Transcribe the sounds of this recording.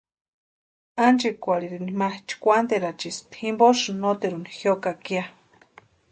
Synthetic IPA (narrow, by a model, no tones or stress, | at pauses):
ant͡ʃikʷaliɾinimaht͡ʃi̥kʷant̪eɾat͡ʃist̪himbosɨnot̪eɾunixjokakia